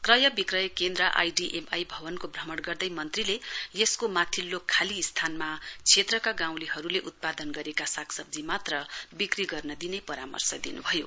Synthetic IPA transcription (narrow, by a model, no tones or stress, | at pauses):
krʌjʌbikrʌjʌkend̪rʌʔa̰jɖiʔemajbʱʌbʌnkobrʌmʌɽɡʌrd̪ʌjmʌnt̪rilejeskomat̪ʰilːokʰːalist̪ʰanmat͡sʰet̪rʌkaɡãw̃liɦʌɾuleʔut̪̚pad̪ʌnɡʌɾekasakʰsʌb̚d͡zimat̪rʌbikriɡʌrnʌd̪inʌjpʌɾamʌ̰rsʌd̪inṵbʱʌjo